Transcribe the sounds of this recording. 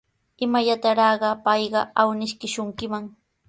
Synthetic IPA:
ɪmajat̪aɾɑːɢɑpɑjɢɑawnɪʃkɪʃʊŋkɪmaŋ

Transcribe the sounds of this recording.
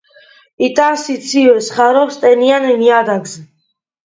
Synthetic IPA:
it̪ʼansit̪sʰivɛsχaɾɔst̪ʼɛnianɛniad̪aɡz

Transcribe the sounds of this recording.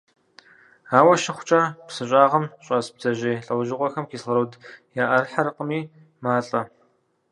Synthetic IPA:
aːwɐʃɪχʷʊ̥t͡ʃʼaːpsɨɕʼaːʁɐmɕʼɐsb̚z̥ɐʑeːɬʼɐwʒɪqʷɔxɐmkʰiːsɐɾoːdjaːʔɐrħaɾɨqəmiː | maːɬʼɐ

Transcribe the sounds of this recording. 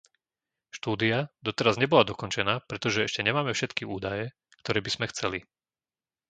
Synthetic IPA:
ʃt̪uːd̪iad̪ɔt̪ɛɾazɲɛbɔlad̪ɔkɔnt͡ʃɛnaːpɾɛt̪ɔʒɛɛʃcɛɲɛmaːmɛfʃɛt̪kiuːd̪ajɛ | kt̪ɔɾɛːbiz̥mɛxt͡sɛli

